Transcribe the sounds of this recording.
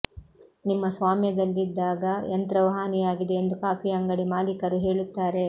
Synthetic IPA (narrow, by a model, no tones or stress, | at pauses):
nimːɐsʋaːmjɐd̪ɐlːid̪ːaːɡɐent̪ɾɐʋɐɦaːnijaːɡid̪e̞ːnd̪ukaːpʰiɐŋɡɐɽimaːlikɐɾuɦe̞ːɭut̪ːaːɾe̞